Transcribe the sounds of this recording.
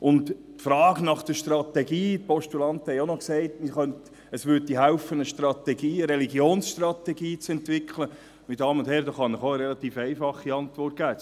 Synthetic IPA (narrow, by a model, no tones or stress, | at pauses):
ʔʊnttfɾɑːɡnɑχd̥əʃtrɑt̪ɛɡiːt̚pɔʃtulɑnt̪hɛonɔksɛɪtmiχœnt | əsʋʏttːiːɦæʊfənəʃtrɑt̪ɛɡiːəɾɛliɡjoːnsʃtrɑt̪ɛɡiːt͡sɛntʋɪkχlə | midɑːmʊnd̥̪hɛɾd̪ɑχɑnɪχoəɾɛlɑt̪iːfɛɪfɑχːiɑntʋɔrt̚ɡ̥æː